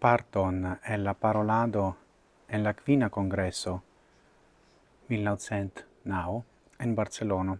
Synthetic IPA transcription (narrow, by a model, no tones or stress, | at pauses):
part̪onɛlːapaɾolaːd̪o | enlakviːnakoŋɡɾɛsːo | milnawt̪sɛnt̪ | naw | inbart̪selɔːna